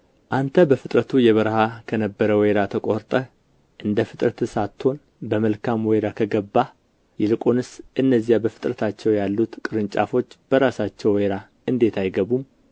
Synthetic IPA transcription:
ʔant̪ʰəbəfɨt̪ʼɾət̪ʰujɛβəɾhakʰənəbːəɾəweɾat̪ʰəkʼoɾt̪ʼə | ʔɨnd̪əfɨt̪ʼɾət̪ɨsat̪ʰːo̞n | bəməlkʰamwɔjɾakʰəɡəbːa | jɛlɨkʼonɨsʔɨnːəzːijabəfɨ̥t̪ʼɾət̪ʰat͡ʃːɛwjalːut̪kʼɨɾɨnt͡ʃʼa̰fo̞t͡ʃːb̥əɾasat͡ʃːɛwweɾa | ɨnd̪e̞t̪ʰajɡəβum

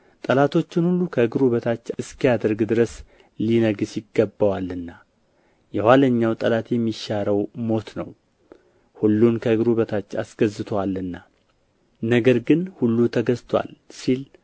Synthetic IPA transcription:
t̪ʼəlat̪ʰo̞t͡ʃːɪnhulːukʰəɨɡɨɾuβət̪ʰat͡ʃːɨskijad̪əɾɡd̪ɨɾəs | linəɡɨsjɪɡːəbːəwalɨnːa | jɛhʷaləɲːawt̪ʼəlat̪jɛmːiʃaɾəwmo̞t̪nə̰w | hulːunkʰəɨɡɨɾuβət̪ʰat͡ʃːasɡ̥əzɨt̪ʰwalːɨnːa | nəɡəɾɡɨnhulːut̪ʰəɡəzt̪ʰwa̰lsil

